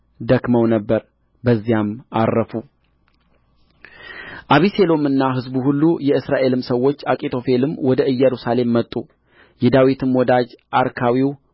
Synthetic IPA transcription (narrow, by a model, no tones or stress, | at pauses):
d̪əkməwnəbːəɾ | bəzːijama̰rːəfu | ʔaβise̞lo̞mɨnːaɦɨzbuhulːujɛɨsɾaʔe̞lɨmsəwːo̞t͡ʃːakʼit̪ʰo̞fe̞lɨmwɔd̪əɨjːɛɾusale̞mːət̪ʼu | jɛd̪awit̪ʰɨmwɔd̪ad͡ʒʔaɾkʰawiw